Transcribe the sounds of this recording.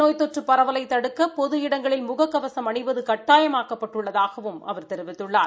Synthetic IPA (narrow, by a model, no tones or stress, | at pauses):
noːjt̪ɔʈrɯpːɐɾɐʋɐlɐɪt̪ːɐɽɯkːɐpɔðɯjɪɽɐŋɡɐɭɪlmʊɣɐkːɐʋɐsɐmɐɳɪʋɐðɯkɐʈːaːjɐmaːkɐpːɐʈːɯɭːɐðaːɣɐʋɯmɐ̰ʋɐɾt̪ɛɾɪʋɪt̪ːɯɭːaːɾ